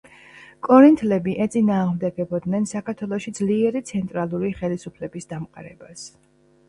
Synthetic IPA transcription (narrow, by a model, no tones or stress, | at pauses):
kʼɔɾint̪ʰlɛbiʔɛt̪sʼinaːʁmd̪ɛɡɛbɔd̪nɛnsakʰaɾt̪ʰwɛlˠɔʃid̪zliɛɾit̪sʰɛnt̪ʼɾalˠuɾiχɛlisupʰlɛbisd̪amqʼa̰ɾɛbas